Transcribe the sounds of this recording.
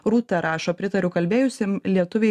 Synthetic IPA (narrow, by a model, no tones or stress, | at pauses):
ɾuːt̪ʲɛɾɑːʃoːpʲɾʲɪt̪ɐɾʲʊkɐlʲbʲeːjʊsʲemlʲiɛt̪ʊʋʲɛɪ